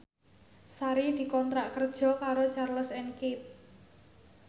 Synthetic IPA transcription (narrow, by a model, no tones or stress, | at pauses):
saɾid̪̥i̤kɔnt̪ɾaʔkərd̥ʒ̥ɔ̤kaɾot͡ʃarləsɛnkit̪̚